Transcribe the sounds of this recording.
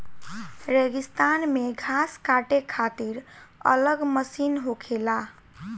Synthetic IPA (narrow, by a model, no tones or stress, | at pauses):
ɾeɡist̪anmeɡʱaskaʈekʰat̪iɾə̰ləɡməsinɦokʰela